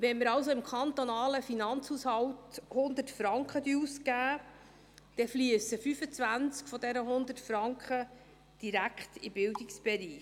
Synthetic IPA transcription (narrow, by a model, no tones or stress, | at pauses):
ʋɛnməɾɑwsoɪmkʰχɑnt̪onɑːləfinɑnt͡shuːshɑwthʊnd̪ətfɾɑŋkχəd̪yuskæː | d̥ɛfliəsəfyfət͡sʋænt͡skfɔdɛnəɦʊnd̪ətfɾɑŋkχə | d̥iɾækχtḭbɪldɪksb̥ɛɾiː